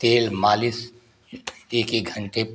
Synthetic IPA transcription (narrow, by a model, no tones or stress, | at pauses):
t̪eːlmaːlɪs | eːkiɡʱə̃ɳʈe